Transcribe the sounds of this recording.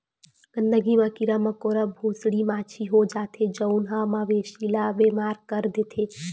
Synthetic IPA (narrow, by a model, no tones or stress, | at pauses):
ɡ̥ənd̪əɡimãkiɾamɐkoːɾəbʱoːsɽimaːt͡ʃʰiɦod͡ʒaːt̪ʰed͡ʒəʊnɦamaʋeːʃilabeːmaːɾkəɾd̪eːt̪ʰeː